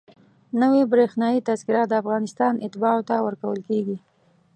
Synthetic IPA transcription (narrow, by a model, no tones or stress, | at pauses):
nəwebɾexnɑjit̪azkɪɾɑt̪̚d̪əafɣɑnɪst̪ɑnʔɪt̪ɪbɑot̪awəɾkawəlkeɡi